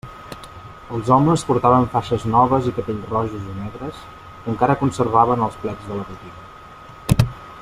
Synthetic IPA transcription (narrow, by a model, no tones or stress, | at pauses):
əlˠzɔməspuɾt̪aβəɱfaʃəznɔβəzikəpeʎrɔʒuzinɛɣɾəs | kəŋkaɾəkunsərβaβənəlˠsplɛd͡zðələrut̪inə